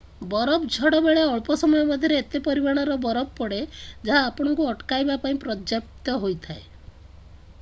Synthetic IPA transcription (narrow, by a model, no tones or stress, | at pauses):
bɔɾɔbd͡ʒʱɔɽɔbeɭeɔɭpɔsɔmɔjɔbad̪ʱjɔɾeːt̪epɔɾibaɽ̃aɾɔbɔɾɔp̚pɔɽed͡ʒaɦaːpɔɽ̃ɔŋkuɔʈkajbapaĩpɾɔd͡ʒjap̚t̪ɔɦojt̪ʰae